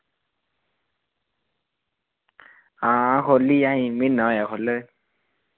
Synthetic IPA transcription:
akʰoliaɦĩminawjakʰɔlɯ

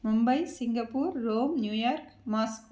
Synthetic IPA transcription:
mʊmbɐɪsɪŋɡɐpːuːɾːoːmnjuːjaːɾkmaːsk

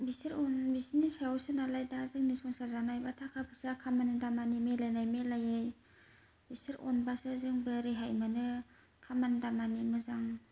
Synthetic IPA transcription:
bisiɾɔnbisinisajawsɯnalajdazɯŋnɯsɔŋsazanajbatʰakʰapʰɯsakʰamanɯdamanimelajnajmelajɯj | bisɯɾɔ̰nbasɯzɯŋbɯɾeɦajmanɯ | kʰamanɯdamanimɯzaŋ

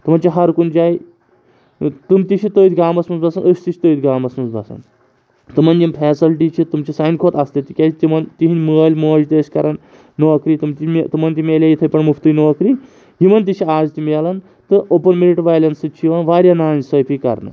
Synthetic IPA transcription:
t̪ɨmɐnt͡ʃiɦɐɾkund͡ʒaːj | t̪ɨmt̪iʃʰit̪oit̪ɡaːmɐsmɨnzbɐsɐnəsʲt̪iʃʰi̥t̪oːit̪ɡaːmɐsmɐnsbɐ̰sɐ̰n | t̪ɨmɐnʲd͡ʒimpʰɛːsilʈit͡ʃʰit̪umt͡ʃisaːjnkʰoːt̪ɐslet̪ikʲat̪imɐnt̪iɦinʲməːlʲmoːd͡ʒt̪eːskɐɾanː | oːkɾiːt̪umt̪imet̪ɨmɐnt̪imʲelʲajit̪ʰɐjpɐɳmuft̪ɨjnoːkɾi | ɦimɐnt̪it͡ʃʰiaːzt̪imlɐn | t̪ɨʔopɐnmiɾiʈʋaːjlʲɐnsɨt͡ʃʰiʋanʋaːɾʲjanaːnzsəːpʰikɐ̰ɾnɨ̰

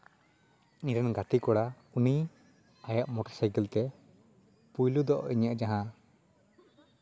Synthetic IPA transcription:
niɾɛnɡat̪ikɔɽa | uni | ajaʔmɔʈɔɾsajkɛlt̪ɛ | pujlud̪ɔʔiɲəʔd͡ʒaɦã

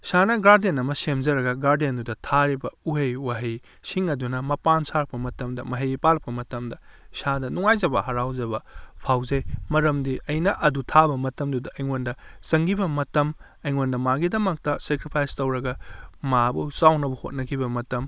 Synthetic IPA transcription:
sanɐɡaɾdenɐmɐsemzɐɾɐɡɐɡaɾdiendudɐtʰaɾibɐuɦejwaɦij | siŋɐdunɐmɐpansaɾɐk̚pɐmɐtɐmdɐmɐɦɐjpalɐpɐmɐtɐmdɐsadɐnuŋajzɐbɐ̰hɐɾawzɐbɐpʰawzɐjmɐɾɐmdiʔɐjnɐʔɐdutʰabɐmɐtɐmdudɐʔɐjŋondɐsɐŋɡibɐmɐtɐm | ɐjŋondɐmaɡidɐmɐk̚tɐsekɾipʰajstɐwɾɐɡɐmabɐsawnɐbɐho̰t̚nɐkʰibɐmɐtɐm

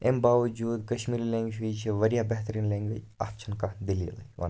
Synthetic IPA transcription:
embaːʋɐd͡ʒuːd̪kɐʃmiːɾilẽŋɡɦuit͡ʃʰiʋɐɾijabeɦt̪əɾiːnlẽŋɡʋə | a̰ːft͡ʃʰɐnkad̪ilḭlʋɐ̰n

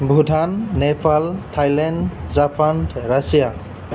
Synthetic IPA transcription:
bʱudʱanːɛpʰaltʰajlandzapʰandɹasija

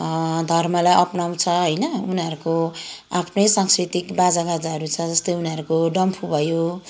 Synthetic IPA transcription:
d̪ʱʌrmʌlajʔʌpnaw̃t͡sʰʌɦʌjnʌuniʌɾukoapʰnʌjsaŋskrit̪ikbad͡zabad͡zaɦʌɾut͡sʰʌd͡zʌst̪ojuniʌɾukoɖʌmpʰubʱʌjo

